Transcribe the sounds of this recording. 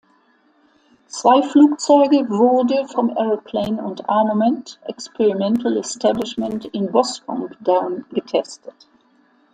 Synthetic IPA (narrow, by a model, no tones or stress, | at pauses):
t͡sv̥aɪfluːkt͡sɔʏɡəvʊɐd̩fɔnʔɛɹəpʰl̥eɪnʊntʔa̰ɐməmɛntʔɛkspʰɛʁimɛntl̩ɛstʰæblɪʃmɛ̃ntɪnbɔspɔ̰ŋdaʊnɡətʰɛstə̥t